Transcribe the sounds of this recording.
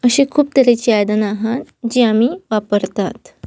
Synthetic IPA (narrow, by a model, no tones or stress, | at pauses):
əɕekʰuːp̚t̪əɾet͡ɕiajd̪ənaɦat̪d͡ʑiamiːʋapəɾt̪at̪